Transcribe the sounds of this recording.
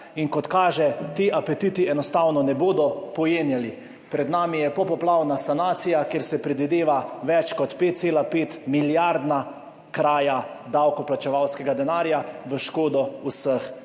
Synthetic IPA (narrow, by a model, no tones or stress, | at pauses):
inkɔt̪kaːʒɛt̪iːʔapɛt̪it̪iɛnɔst̪awnɔnɛboːd̪ɔpɔjeːnjali | pɾɛd̪naːmijɛpɔpɔplawnasanaːt̪sijakeːɾsɛpɾɛd̪ʋid̪eːʋaʋɛt͡ʃkɔt̪peːt̪̚seːlapeːt̪miljaɾd̪na | kɾaːja | d̪awkɔplat͡ʃɛʋawskɛɡad̪ɛnaːɾjaʋəʃkoːd̪ɔusəx